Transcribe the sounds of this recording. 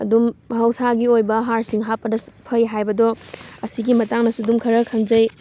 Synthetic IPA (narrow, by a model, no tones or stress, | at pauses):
ɐ̰dumhɐwsaɡiojbɐɦaɾsiŋɦapːɐdɐpʰɐjɦajbɐdɔɐsiɡimɐtaŋnɐsudumkʰɐɾɐkʰɐŋzɐj